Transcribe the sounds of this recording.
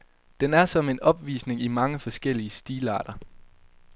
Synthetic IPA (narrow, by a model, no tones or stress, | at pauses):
d̥enæɐsɒ̽me̝nɒ̽b̥ʋḭːsne̝ŋimɑ̈ŋəfɒ̽sɡ̥el̰iəsd̥iːlɑ̰̈ːɾ̥ɐ